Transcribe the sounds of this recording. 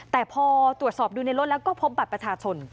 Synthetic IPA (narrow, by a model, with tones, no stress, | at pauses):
t̪ɛː˨˩pʰɔː˧t̪ɾu˨˩t̪̚sɔː˨˩p̚duː˧na˧jɾo˥t̪̚lɛ˦˥wkɔː˥˩pʰo˦˥p̚ba˨˩pɾa˧t͡ɕʰaː˧t͡ɕʰo˧n